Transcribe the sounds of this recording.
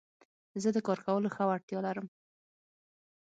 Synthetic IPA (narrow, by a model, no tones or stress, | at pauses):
zəd̪əkɑɾkawəloxawaɽt̪jɑlaɾəm